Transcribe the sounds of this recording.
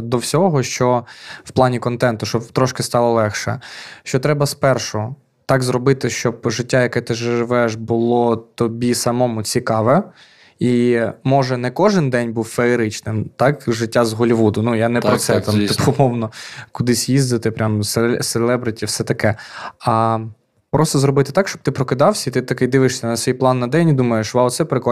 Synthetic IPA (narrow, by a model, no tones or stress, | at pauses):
d̪ɔwsʲɔɦɔʃt͡ʃɔwplˠɑnʲikɔnt̪ɛnt̪ʊʃt͡ʃɔbt̪ɾɔʃkɪst̪ɑlˠɔlˠɛxʃɛ̰ʃt͡ʃɔt̪ɾɛbɐspɛrʃɔɦɔ | t̪ɑɡzrɔbɪt̪ɪʃt͡ʃɔbʒɪtʲːajɐkɛt̪ɪʒɪʒɪʋɛʃbʊlˠɔt̪ɔbʲisɐmɔmʊt͡sʲikɑʋɛ | imɔʒɛnɛkɔʒɪnd̪ɛnʲbuwfeeɾɪt͡ʃnɪmt̪ɑkʒɪtʲːazɦɔlʲiʋud̪ʊnujanɛɾɔt̪sɛt̪ɑmt̪ɪpʊmɔwnɔkʊd̪ɪsʲjizd̪ɐt̪ɪpɾʲamsselˠɛbɾɪtʲifsɛt̪ɐkɛɐ | pɾʔɔst̪ɔzɾɔbɪt̪ɪ̥t̪ɑkʃt͡ʃɔb̚t̪ɪpɾɔkɪd̪ɑwsʲɐit̪ɪt̪ɐkɪjd̪ɪʋɪʃsʲɐnɐsʲʋʲijplˠɑnːɐd̪ɛnʲid̪umɐjeʃʋɑt̪sɛpɾɪkɔ